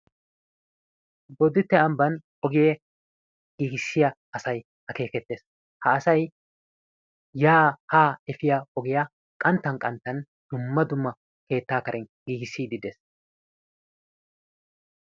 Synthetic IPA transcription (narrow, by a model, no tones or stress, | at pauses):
bɔd̪ɪt̪ːɛɐmbɐn | ɔɡɪjɛ | ɡ̥iːɡɪsːɪjɐ | ɐsɐj | hɐke̞ːkɛt̪ːeːs | hɐːsɐj | jaːhaːɛfɪjaɔɡɪja | kʼɐnt̪ːɐnkʼɐnt̪ːɐn | d̪̥ʊmːɐd̪ʊmːɐ | ke̞ːt̪ːaːkɐɾʔɛnɡiːɡɪsːiːd̪ɪd̪es